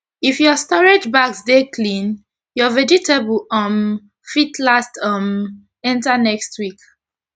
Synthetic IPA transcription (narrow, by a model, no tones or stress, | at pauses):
ifjɔstɔɹed͡ʒbaksdekʰlĩn | jɔvɛd͡ʒiteblʌm | fitʰlastʌm | ɛ̃ntanɛkstwik